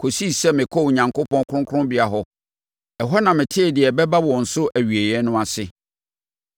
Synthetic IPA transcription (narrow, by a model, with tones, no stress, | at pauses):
kʰo˨si˦sɛ˦mɪ̃˨kʰɔ˦wɲã˨ŋkʊ˦pʰɔ̃˦nkʰɾʊ̃˦ŋkʰʊ̃˦bɪ˨a˨ɦɔ˦ | ɛ˨ɦɔ˦nã˨mɪ̃˨tʰɪ˦ɛ˨dɪ˨ɛ˨bɛ˦ba˦wɔ˨n̩˨sʊ˦ʔæ˨ɥi˨e˨jɛ˦nʊ̃˦a˨sɪ˦